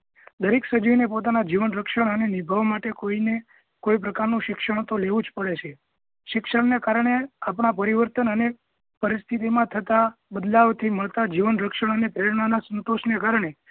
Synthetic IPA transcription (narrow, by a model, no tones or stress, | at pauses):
d̪əɾiksəd͡ʒiʋnepot̪̬anad͡ʒiʋənɾəkʃəɽ̃ənenibʱaʋmaʈekoine | koipɾəkaɾnũʃɪkʃəɳ̃t̪oleʋũd͡ʒpəɭet͡ʃʰe | ʃɪkʃəɳnekaɾɳ̃eapɳapəɾiʋəɾt̪ənəne | pəɾist̪ʰit̪̬imãt̪ʰət̪abəd̪laʋt̪ʰiməɭt̪ad͡ʒiʋənɾəkʃəɳ̃ənepɾeɾɳanasənt̪oʃnekaɾɳ̃e